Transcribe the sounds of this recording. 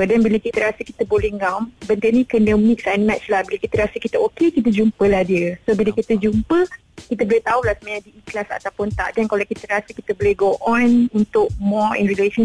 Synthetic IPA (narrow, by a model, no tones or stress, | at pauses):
ədɛnbiləkit̪əɾasəki̥t̪əbolɛhŋambənt̪ənĩkənəmĩk̚sajnmɛtt͡ʃlahbilakit̪əɾasəkit̪əokekit̪̬əd͡ʒumpəlahdiəsobiləkit̪əd͡ʒumpə | kit̪əbolɛt̪aulahsəmaɲãdiːklasa̰t̪apʊnt̪a̰ʔdankalakit̪əɾasəkit̪əbolɛɡoʔɔ̃nunt̪ʊk̚mɔḭnɾileʃən